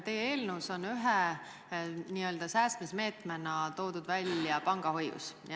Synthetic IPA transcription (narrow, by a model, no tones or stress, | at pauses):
t̪e̞jeeːlnuso̞nyɦe | niːø̞ld̪̥ɑsæːst̪misme̞ːt̪menɑt̪o̞ːd̪ud̪vælʲjɑpɑŋɡ̥ɑho̞jːṵsj